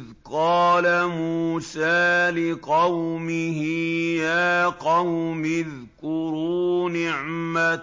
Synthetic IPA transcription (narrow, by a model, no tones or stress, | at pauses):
ðqɑːlamuːsaːlɪqɑwmɪhɪjaːqɑwmɪð | kʊɾuːnɪʕma